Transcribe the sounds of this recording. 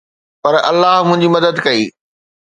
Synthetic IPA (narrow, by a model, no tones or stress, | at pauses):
pɐɾʔɐ̰lːaːɦmʊ̃ɦɪ̃ɲd͡ʑimɐd̪əd̪kɐiː